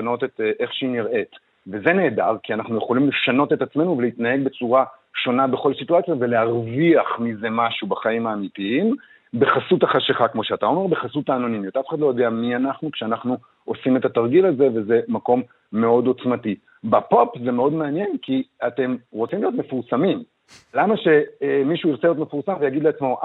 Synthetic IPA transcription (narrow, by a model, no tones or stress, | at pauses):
ano̞t̪et̪ʔe̞χʃeiniʁe̞t | ve̞ze̞ne̞ːdaʁkianaχnuje̞χo̞limle̞ʃano̞tetat͡sme̞nuve̞leit̪naje̞ɡ̚be̞t͡suʁa | ʃo̞nabe̞χo̞lsituat͡sjave̞leaʁviaχmize̞maʃubaχaimaːmitiim | be̞χasutaχaʃeχakmo̞ʃeat̪ao̞me̞ʁbe̞χasutaːnonimat̪aafe̥atlojod̪eamianaχnukʃeanaχnu | o̞sime̞t̪at̪aʁɡilalze̞ve̞ze̞mako̞mː | e̞o̞do̞t͡smati | bapopze̞me̞o̞dmeanje̞nkiate̞mʁot͡simlijo̞t̪me̞fuʁsamim | lamaʃe̞miʃuiʁt͡seijotme̞fuʁsamvejaɡid̪leat͡smo̞ʔ